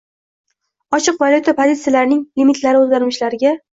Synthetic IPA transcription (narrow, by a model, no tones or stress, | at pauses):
ɒt͡ʃʰɨqvaljut̪ʰapʰozʲit̪sɨjalaɾɪnɪŋlimit̪ʰlaɾɪozɡʲanmɪʃlaɾɪɡʲa